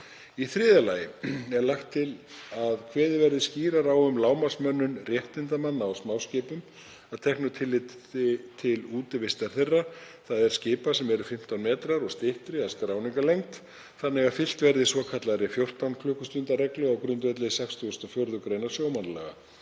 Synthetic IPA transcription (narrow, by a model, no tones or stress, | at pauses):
iθɾɪːðalaːjɪɛɾlaxt̪ʰːɪlaðkʰvɛːðɪvɛɾðɪsciːɾaɾawʏmlaːwmḁsmœnːʏnrjɛht̪ɪnt̪amanːawsmaːwscɪːpʏm | aðt̪ʰɛhknʏt̪ʰɪlːɪ | t̪ʰɪluːt̪ɪvɪst̪aɾ̥θerːaθaðɛɾ̥scɪːpasɛmɛɾʏfɪm̥t̪awnmɛːt̪ɾaɾɔɣst̪ɪht̪ɾɪaðskɾaːwniŋkalejŋt̪ | θanːɛɣḁfɪl̥t̪vɛɾðɪsvɔːkʰat̪laɾɪfjowr̥t̪awnkʰlʏːhkʏst̪ʏnt̪arɛklʏɣawkɾʏnt̪vɛt̪lɪsɛkst̪uɣʏst̪ɔfjœɾðʏkɾeːjnḁsjoːwmanlɛ̰ɣa̰